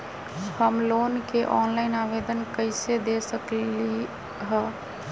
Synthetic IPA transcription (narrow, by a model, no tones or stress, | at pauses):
həmloːnkeʔɔːnlaɪnaʋed̪ənkəɪsed̪esəkli | ɦɛ